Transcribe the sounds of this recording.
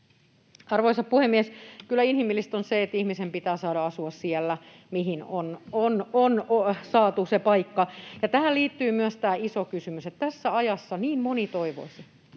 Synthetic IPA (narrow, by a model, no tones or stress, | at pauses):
ɑrʋoisɑppuhemːiɛskylːˑæinhimilːist̪onseet̪ːihmisempit̪æːsɑːɾɑɑsuɑssiælːæ | miɦinonononosɑːt̪usepɑikːɑjɑt̪æhælliːt̪ːyːmyæst̪æːisokysymyset̪t̪æsːæɑjɑsːɑniːmmonit̪oiʋo̰isi